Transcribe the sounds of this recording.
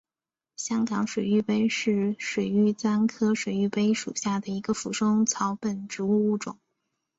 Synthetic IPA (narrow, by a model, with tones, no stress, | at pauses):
ɕjɑ˥ŋkɑ˧˥ŋʂwe˨˩ɪy˥˧pe˥ɪʂɻ̩˥˩ʂwe˨˩ɪy˥˩t͡sa˥nkʰɤ˥ʂwe˨˩ɪy˥˩pe˥ɪʂṵ˨˩ɕja˥˩d̪ə˩i˧˥ɡə˧fu˧˥ʂʊ˥ŋt͡sʰɑ˧˥ʊpə˨˩nʈ͡ʂɻ̩˧˥u˥˧u˥˩ʈ͡ʂʊ̰˨˩˦ŋ